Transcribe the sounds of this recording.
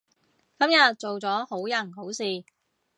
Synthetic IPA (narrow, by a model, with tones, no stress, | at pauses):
kɐ˨˥mjɐ˨t̚t͡ʃo˨wt͡sɔː˨˥ho˨˥wjɐ˨˩nɦo˨˥wsiː˨